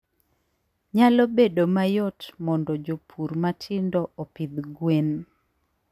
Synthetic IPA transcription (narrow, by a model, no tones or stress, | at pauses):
ɲalobedomajɔtmɔndɔd͡ʒopʰuɾmatʰɪndɔɔpɪd̪ɡwen